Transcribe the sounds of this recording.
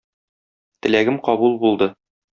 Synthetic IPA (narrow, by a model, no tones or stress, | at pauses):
t̪ɘ̆læɡɘmqɒbulˠbulˠd̪ɤ